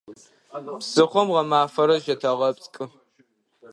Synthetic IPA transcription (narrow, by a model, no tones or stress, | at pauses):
bz̥ɨχʷɔmʁɐmaːfɐɾɐʒɐtʰɐʁɐpt͡sʼkʼɨ